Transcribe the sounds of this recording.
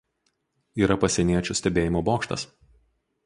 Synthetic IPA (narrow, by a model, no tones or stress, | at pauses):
iːɾɐpɐsʲɛnʲiɛt͡ʃʲʊsʲt̪ʲɛbʲeːjɪmoːboːkʃt̪ɐ̰s